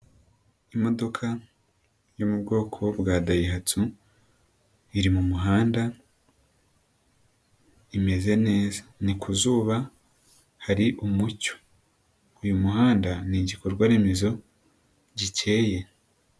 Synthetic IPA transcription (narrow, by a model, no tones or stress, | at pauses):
imo̞do̞kʰa | jomubɡo̞ːkʰo̞bɡaːdajiɦatʰu | iɾimumuɦaːnda | ime̞ze̞ne̞ːzanikʰuzuːβa | haɾiʔumuco̥ | ujumuɦaːndaniɟikoɾɡwaːɾimizo̞ | ɟice̞ːje̞